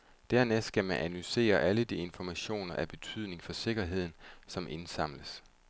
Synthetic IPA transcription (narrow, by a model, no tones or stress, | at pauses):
d̥æɐnesɡ̥æmænʔænuse̝̰ːɐʔæləd̥ie̝nfɒmæɕo̝̰ːnɐʔæb̥e̝t͡sʰyð̞̰ˠne̝ŋfɒ̽se̝ɡ̥ɐɦe̝ð̞̰ˠn̩sɒ̽mʔe̝nsɑ̈m̰ləs